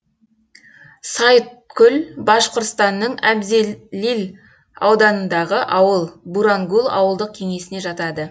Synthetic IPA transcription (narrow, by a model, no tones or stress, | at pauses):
sɑjt̪̚kʲʰʏlbɑʃqoɾt̪st̪ɑnːəɴæbzelil | ɑ̰wd̪ɑnənd̪ɑʁəʔɑwəlˠbuɾaŋɡulˠɑ̰wəlˠd̪əq̚kʲʰe̞ŋe̞sɪne̞ʒɑt̪ɑd̪ə